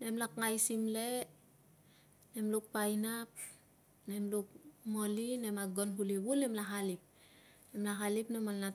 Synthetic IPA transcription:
ne̞mlakŋajsimle | nemluk̚pajnap̚ | nemluk̚mo̞linemaɡonɦuliβulemlaɦalip̚ | nemlaɦalipnemalna

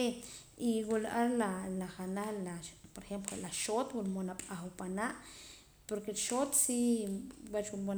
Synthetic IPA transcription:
e | iwulaʔaɾlalaχanaχlapoɾexemplolaʃot̪wulmonaɓʼaxupanaʔ | poɾkelʃot̪si | wat͡ʃwumo

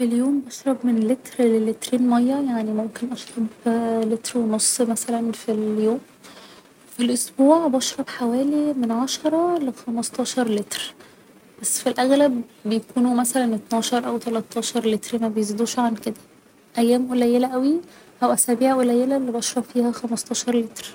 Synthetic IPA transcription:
filjoːmbɑʃɾˤɑbmenlet̪ɾlelet̪ɾeːnmæjːæjaʕnimomkenʔɑʃɾˤɑblet̪ɾwenosˤːmæsælænfiljoːm | filʔosbuːʕbɑʃɾˤɑbħawæːlimenʕaʃɑɾˤɑlexɑmɑst̪ˤɑːʃɑɾˤlet̪ɾ | b̥æsːfilʔæɣlæbːejækuːnumæsælænʔet̪nɑːʃɑɾˤʔæwt̪ælæt̪ːɑːʃɑɾˤlet̪ɾmæbejezid̪uːʃʕanked̪æ | ʔæjːæːmʔolæjelæʔæwi | ʔæwʔæsæːbiːʕʔolæjːelælːibɑʃɾˤɑfiːhæxæmɑst̪ˤɑːʃɑɾˤlet̪ɾ

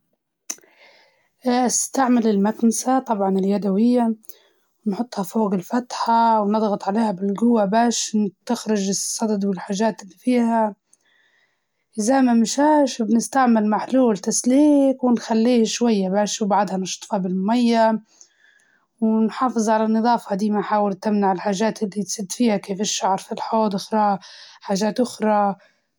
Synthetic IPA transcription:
ʔʔast̪aʕmɪlɪlmaknasat̪ˤɑbʕɑnɪljad̪awɪjːa | wnħʊt̪ˤːhɑfoːɣɪlfat̪ħawnɨd̪ˤɣɑt̪ˤʕaleːhabɪlɡʊwːabaːʃt̪axɾɪd͡ʒɨsˤːɑd̪d̪wɪlħaːʒaːt̪ɪlːifiːha | ʔɪzamamɪʃaːʃbnɪst̪aʕmɪlmaħluːlt̪asliːkwɪnxalːiːhʃwajːabaːʃwbaʕd̪hanɪʃt̪ˤfɑbɪlmʊmajːa | wnħɑːfɨzˤʕalanːɨd̪ˤɑːfɑd̪iːmanħaːwɪlt̪amnaʕɪlħaːʒaːt̪ʔɪlːit̪sˤiːd̪fiːhakeːfɪʃːaʕɾˤfilħoːd̪ɪxɾˤɑːħaːʒaːt̪ʔʊxɾˤɑ

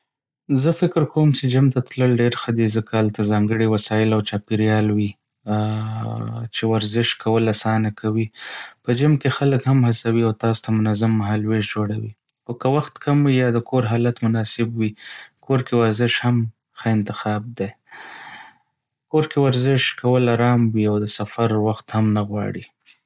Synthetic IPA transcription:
zəfɪkɪɾkowmt͡ʃed͡ʒamt̪at̪ləlɖeɾxəd̪izəkaalt̪azɑŋɡəɽiwasɑjɪlawt͡ʃɑpiɾjɑlwi | t͡ʃewaɾzɪʃkʰawəlasɑnakʰawipəd͡ʒamkexaləkhamhasawiawt̪ɑso̥t̪amʊnazamːaɦɑlweʃd͡ʒoɽawḭ | xokəwaxt̪kʰamwijɑd̪əkʰoɾɦɑlat̪mʊnɑsɪbwikoɾkewaɾzɪʃham | xəɪnt̪ɪxɑb̚d̪e | koɾkewaɾzɪʃkawəlaɾɑmwiawd̪əsafaɾwaxt̪hamnaɣwɑ̰ɽi

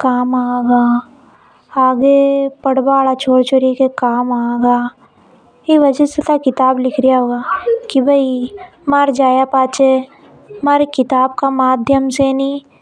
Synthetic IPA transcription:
kaːmaːɡaː | aːɡepɐɽbaːlat͡ʃʰoːɽt͡ʃoɾikekaːmaːɡaː | iʋɐd͡ʒəset̪akɪt̪aːblɪkʰɾijaɦoːɡaːkibʱɐi | maɾd͡ʒaːjapaːt͡ʃe | maɾekɪt̪aːb̚kamaːd̪ʱjəmsenĩː

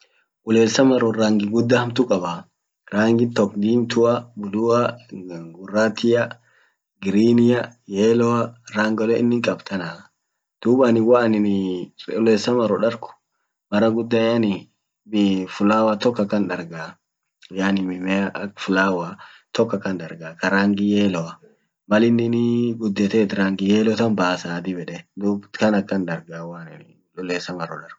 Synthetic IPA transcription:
ʔʊleːsɐmɐɾɔɾaːŋɡɪɡʊd̪ːɐhɐmt̪ʊkʼɐba | ɾaːŋɡɪt̪ɔkd̪iːnt̪ʊabʊd̪ʊa | ɡʊraːt̪ʰɪjɐ | ɡɪɾiːnɪjɐjeːlɔwɐɾaːŋɡɔlɛɪnːɪŋkʼɐbt̪ʰɐna | d̪̥uːbanɪwaʔɐnɪnʊleːsɐmɐɾɔᶑɐɾkʊ̥ | mɐɾɐɡʊd̪ːajanɪ | fʊlaːwat̪ɔkːɐkːɐnᶑɐɾɡaː | janɪmɪmɛafʊlaːwa | t̪ɔkːɐkːɐnd̪ɐɾɡaːkɐɾaːŋɡɪjeːlɔwɐ | mɐlɪnːɪnɪɡʊd̪ːɛt̪ɛːt̪ɾaːŋɡɪjeːlɔt̪ɐnbaːsaːd̪ɪbɛᶑɛd̪uːkɐnɐkːɐndɐɾɡaːwanɪn | lʊleːsɐmɐɾɔᶑɐɾk

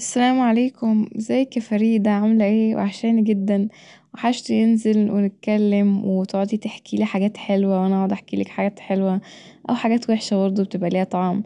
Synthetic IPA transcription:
ʔæsːælæːmʕaleːkʰomzæjːkæfæɾiːd̪æʕomlæʔeːwḛʕaʃæːnɡed̪ːæn | weħaːʃt̪jenzelwenet̪̚kælːemwet̪oʕt̪ˤit̪eħkiliːħaɡæːt̪ħelwæwʔænæʔɑʕod̪ʔeħkilḛkħaɡæːt̪ħelwæ | ʔæwħaɡæːt̪weħʃæbɑɾˤd̪ˤubet̪ebʔæliːhæt̪ˤɑʕɑm

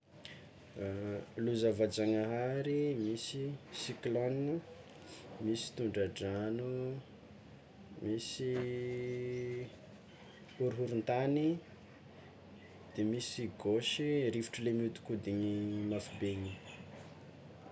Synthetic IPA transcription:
luzavad͡ʒaŋaɦaɾimisisikloniə | misi̥t̪uɳɖ͡ʐaɖ͡ʐanu | misi | uɾuɦuɾunt̪ani | d̪̥emisiɡoʃiɾifi̥ʈ͡ʂəlemiut̪u̥kud̪iɲimafibeɲi

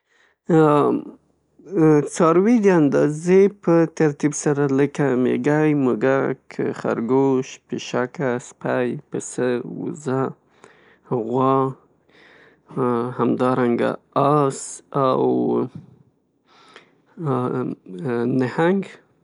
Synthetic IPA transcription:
t͡sɑɾwid̪əand̪ɑzepət̪aɾt̪ibsaɾaləkamḛɡajmʊɡakʰəxa̰ɾɡoʃpɪʃakaspajpəsəwṵza | ɣwɑ | hamd̪ɑɾaŋɡa̰ | ɑsaw | nəhaŋɡ

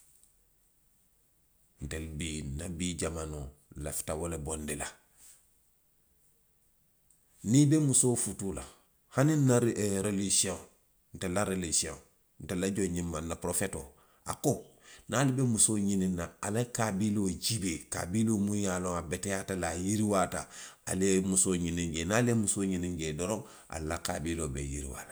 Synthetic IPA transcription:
n̩telbinabiːɟamanola̰fi̥tawolebɔndila | nibemusoːfutula̰ | haninːaɾɾelisiõŋ | n̩telaɾelisiõ̰ | n̩telaɟoɲĩmːanːapɾofɛto̰ː | a̰konaːlibemusoːɲinĩnːaalakabiloɟibeːka̰bilomũjaːlõŋabɛtɛjatalajiɾiwaːta̰a̰lmusoːɲinĩŋɡeːnaːlemusoːɲinĩŋɡedɔɾɔ̃ | ʔa̰lːaka̰biloːbḛjḭɾḭwa̰la

